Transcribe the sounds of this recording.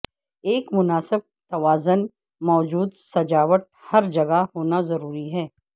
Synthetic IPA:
eːkmʊnaːsɪb̚t̪ɐʋaːzʊn | mɔːd͡ʒuːd̪sɐd͡ʒaːʋəʈ̪̚hɐɾd͡ʒɐɡahoːnazɐɾuːɾiɦɛː

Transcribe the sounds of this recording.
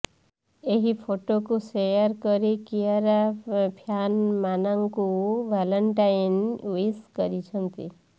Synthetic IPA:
eɦipʰoʈokusejəɾkəɾikiaɾapʰjanmanaŋkuʋaləɳʈajnʋiskʌɾit͡ʃʰənt̪ḭ

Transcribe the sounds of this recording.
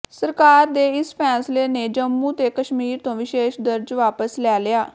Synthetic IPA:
səɾkaːɾd̪eːɪspʰɛːsleːneːd͡ʒəmːũːt̪eːkəʃmiːɾt̪õːʋɪʃeːʃd̪əɾd͡ʒʋaːpəslɛːlɪaː

